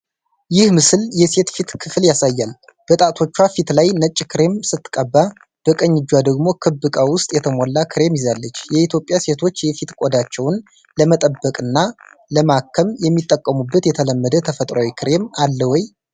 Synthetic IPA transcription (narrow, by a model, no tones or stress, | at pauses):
jɪhmɨsɨljɛse̞t̪fit̪kʰɨfljasajːal | b̥ət̪ʼat̪ʰo̞t͡ʃːwafit̪lajnət͡ʃʼːkʰɨɾe̞msɨt̪ːɨ̥kʼːəbːa | b̥əkʼəɲːɪd͡ʒwad̪əɡmo̞kʰɨbːɨkʼawʊst̪ʼjɛt̪ʰəmolːakʰɨɾe̞mjɪzalːət͡ʃːjɛit̪ʰjo̞pʼːjase̞t̪ʰo̞t͡ʃːjɛfit̪kʼod̪at͡ʃːɛwn | ləmət̪ʼəbːəkʼɨnːa | ləmakʰːəmjɛmːit̪ʼːəkʼːəmubːət̪jɛt̪ʰələmːəd̪ət̪ʰəfət̪ʼɾawikʰɨɾe̞malːəwɔj